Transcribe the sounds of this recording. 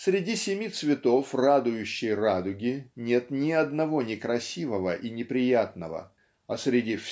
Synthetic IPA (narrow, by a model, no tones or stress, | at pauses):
sɾʲɪdʲisʲɪmʲit̪svʲɪt̪o̞frad̪ʊjʉɕːɪjrad̪ʊɡʲɪnʲe̞t̪nʲɪɐd̪nɐvo̞nʲɪkɾɐsʲivəvəʔinʲɪpɾʲɪjat̪nəvə̰ | ɐsɾʲɪdʲif